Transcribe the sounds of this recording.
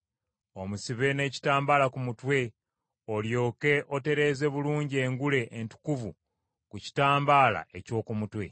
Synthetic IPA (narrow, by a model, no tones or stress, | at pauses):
o̞musiβe̞ne̞ːci̥taːmbaːlakumutwe̞ | o̞ljo̞ːke̞ʔo̞te̞ɾe̞ːze̞βuluːɲɟie̞ːŋɡule̞ʔːntu̥kuvu | kuci̥taːmbaːla̰ʔe̞co̞ːkumutwe̞̰